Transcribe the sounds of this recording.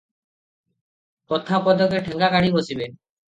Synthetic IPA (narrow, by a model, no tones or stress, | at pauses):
kɔt̪ʰapɔd̪ɔkeʈʰɛŋɡakaɽibosibe